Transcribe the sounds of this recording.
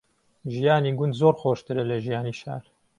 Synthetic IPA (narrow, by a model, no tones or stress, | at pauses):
ʒijaːniːɡʊnd̪zoːɾxoːʃt̪ɨɾɐlɐʒijaːniʃa̰ːɾ